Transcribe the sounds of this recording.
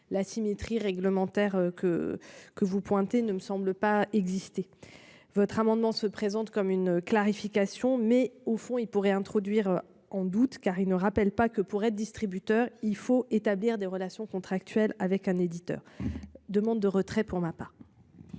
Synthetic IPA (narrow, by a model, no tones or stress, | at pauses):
lasimet̪χiʁɛɡləmɑ̃t̪ɛʁøkəkəvupwɛ̃t̪enəməsɑ̃bləpaɛɡzist̪e | vɔt̪χamɑ̃d̪mɑ̃səpχezɑ̃t̪kɔmynklaʁifikasjɔ̃mɛofɔ̃ilpuʁɛɛ̃t̪χɔd̪ɥiʁ | ɑ̃d̪ut̪kaʁilnəʁapɛlpakəpuʁɛt̪d̪ist̪χibyt̪œʁilfoet̪abliʁd̪eʁəlasjɔ̃kɔ̃t̪χak̚t̪ɥɛlavɛkɛ̃ned̪it̪œ̰ːʁd̪əmɑ̃d̪ːəʁət̪χɛpuʁmapaʁ